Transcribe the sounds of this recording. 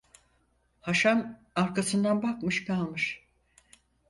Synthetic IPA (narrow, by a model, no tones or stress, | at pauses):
haʃam | aɾkasɯnd̪anbakmɯʃkʰalˠmɯʃ